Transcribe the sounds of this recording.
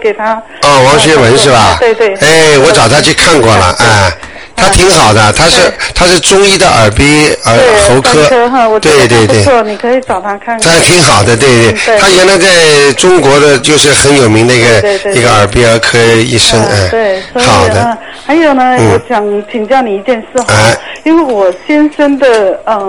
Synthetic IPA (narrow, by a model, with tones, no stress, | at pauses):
ke˨˩ɪt̪ʰa˥ | ɔ˥˩wɑ˧˥ŋɕɥɛ˧˥wə˧˥nʂɻ̩˥˩bɐ˩˨we˧e˥˩e˥˩ɪwɔ˧˥ʈ͡ʂɑ˨˩ʊt̪ʰa˥t͡ɕʰy˥˧kʰa˥˧nkwɔ˥˩lə̰˩ʔə˥˧ | t̪ʰa˥t̪ʰi˧˥ŋxɑ˨˩ʊd̪ə˦t̪ʰa˥ʂɻ̩˥˩˧t̪ʰa˥ʂɻ̩˥˧ʈ͡ʂʊ˥ŋi˥˩d̪ə˧ʔə̰˞˨˩pi˥ə˧˥xo˧˥ʊkʰɤ˥wt̪we˥˧ɪt̪we˥˧ɪtwe˥˩˥ni˨˩kʰə˧˥i˨˩ʈ͡ʂɑ˨˩ʊt̪ʰa˥kʰa˥˩ntʰa˥˩t̪ʰi˧˥ŋxɑ˨˩ʊd̪ə˦t̪̬we˥˧ɪt̪we˥˩˥t̪ʰa˥jɥɛ˧˥nla˧˥ɪt͡sa˥˩ɪʈ͡ʂʊ˥ŋkwɔ˧˥d̪ə˧t͡ɕjo˥˧ʊʂɻ̩˥˩xə˧˥njo˨˩mi˧˥ŋd̪ə˧i˥˧˥ɡə˧˥˧i˧˥ɡə˧ə˞˨˩p̬i˥ə˞˧˥kʰɤ˥i˥˩ʂə˥ŋa˥˩e˥˩˥xɑ˨˩ʊd̪ə˦˧˩ | xa˧˥ɪjo˨˩ʊnə˦n̩w̩˥˩˧ɕjɑ˨˩ŋt͡ɕʰi˨˩ŋt͡ɕjɑ˥˩ʊni˨˩i˧˥t͡ɕjɛ˥˧nʂɻ̩˥˩xa˥˩i˥nwe˥˩ɪwɔ˨˩ɕjɛ˥nʂə˥nd̪ə˨ə˧˩